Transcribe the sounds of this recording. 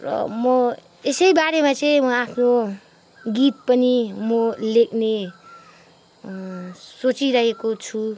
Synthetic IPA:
rʌ̰mʌ | esʌjbaɾemat͡sʌj̃mʌapʰno | ɡit̪̚pʌnimʌlek̚ʰne | sot͡siɾʌɦekot͡sʰu

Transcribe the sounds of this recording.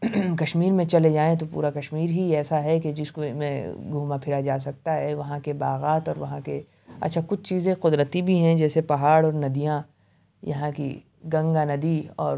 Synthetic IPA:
kɐʃmiːɾmẽt͡ʃɐled͡ʒaːẽt̪̬opṵːɾakɐʃmiːɾɦiɛːsaɦɛked͡ʒɪskomẽɡʱuːmapʰɪɾad͡ʒaːs̬ɐk̚t̪aɦɛʋɐɦãkebaːɣaːt̪ɔːɾʋɐɦãke | ɐ̰t̪ːʃʰakʊt͡ʃʰt͡ʃiːzẽqʊd̪ɾət̪ibʱiɦɛ̃d͡ʒɛːsepɐɦaːɽɔːɾnɐd̪ijã | jɐ̰ɦãkḭ | ɡɐ̃ŋɡanɐd̪iɔ̰ːɾ

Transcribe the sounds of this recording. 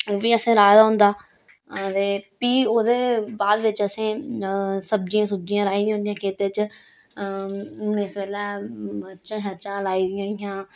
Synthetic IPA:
oːʋiːəsẽːɾaːd̪aːɦʊ̃nd̪aː | t̪eːpiːoːd̪eːbaːd̪ʋɪt͡ʃəsẽː | səb̚d͡ʒijãːsəb̚d͡ʒijãːɾaːiːd̪ij̃ãɦnd̪ijãːkʰeːt̪eːt͡ʃ | ʊneːsʋeːlɛːət͡ʃãːʃət͡ʃãːlaːiːd̪ɪjãːɪjãː

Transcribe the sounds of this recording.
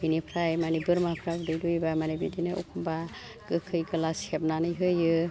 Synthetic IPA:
binipʰɾajmanibɯɾmapʰɾaɡɯdɯjdujbamanebidinɯʔɔ̰kʰumba | ɡ̥ɯkʰɯjɡɯlaseb̚nanɯjɦɯjɯ

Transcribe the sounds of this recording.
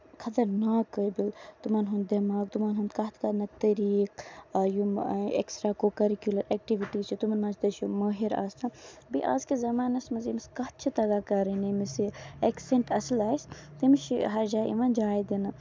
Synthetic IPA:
kʰɐt̪ɐɾnaːkəbilt̪umɐnɦund̪̚d̪ɐmaːkt̪umanɦund̪kɐt̪ʰkɐnɐt̪ɐɾiːkːjumḛksʈɾaːkoːkɐɾikjulɐɾek̚ʈiʋiʈiːzt͡ʃʰit̪umɐnmɐnt͡ʃt̪ɐʃjumɐːɦiɾa̰ːst̪ʰabḭʔa̰ːzkizɐmaːnɐsmɐzimiskɐt̪̚t͡ʃʰit̪ɐɡaːkɐɾənimisiekseɳʈɐslaːist̪imʃḭɦɐɾd͡ʒaːʔḭʋɐnd͡ʒaːjd̪inɐ

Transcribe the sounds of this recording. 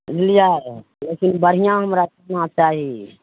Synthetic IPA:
zɪlijaːe | leːkɪnbəɾ̤ijãɦəmɾakɐɾnãt͡ʃaːɦiː

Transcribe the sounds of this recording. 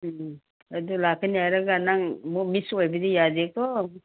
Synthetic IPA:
adulakʰaniaɾaɡanaŋmɔmisojbidijazek̚ɔ

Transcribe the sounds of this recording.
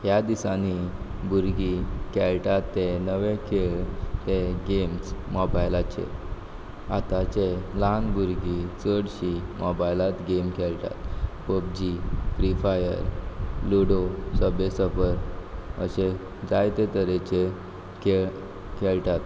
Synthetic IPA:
ɦjad̪isani | buɾɡikɛlʈat̪ːenəʋekʰeɭt̪eɡemsmɔbajlat͡ɕḛ | a̰t̪at͡ɕelanbuɾɡit͡səɽɕimɔbajlat̪ɡemkʰɛlʈ̪a̰t̪pəb̚d͡ʑikɾifajə̰ɾluɽosəbesəfəɾə̰ɕe | d͡zajt̪et̪əɾet͡ɕe | keɭ | kʰɛɭʈat̪

